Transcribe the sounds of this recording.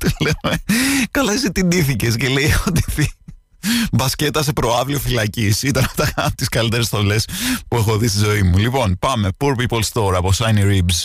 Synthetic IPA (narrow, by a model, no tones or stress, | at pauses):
t̪ilenekɐlɐzit̪iniθice̞sce̞leiot̪i̥fi | bɐsce̞t̪ɐse̞pɾo̞ɐvliofilɐcisit̪ɐnɐft̪ɐɐt̪iskɐlit̪e̞ɾe̞sθo̞le̞spue̞xo̞ðist̪izo̞imulipo̞npɐme̞puɾpipolst̪o̞ɾɐpo̞sɐjniɾibs